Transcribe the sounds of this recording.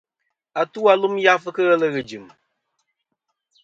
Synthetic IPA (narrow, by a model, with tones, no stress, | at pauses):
a˨tu˦a˨˦lu˦mja˦fɨ˦kɨ˦ɣɛ˦lə˦ɣɨ˨d͡ʒɨ˨m